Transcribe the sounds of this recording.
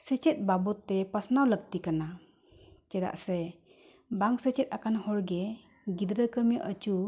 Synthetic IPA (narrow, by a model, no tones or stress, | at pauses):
sət͡ʃet̪̚babɔt̪ːepasnawlək̚t̪ikana | t͡ʃɛd̪a̰ʔse | baŋsət͡ʃɛt̪̚akanhɔɾɡe | ɡid̪ɾəkəmjəʔət͡ʃu